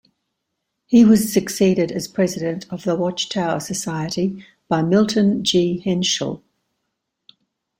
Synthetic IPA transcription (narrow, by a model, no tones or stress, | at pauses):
hiwɒz̥səksiːɾɪdəz̥pʰɹ̥ɛzɪɾə̃ntʰəvðəwɒt͡ʃtʰaʊəsəsaɪəti | b̥aɪmɪlˠʔn̩d͡ʒiːhɪ̃nʃə̰lˠ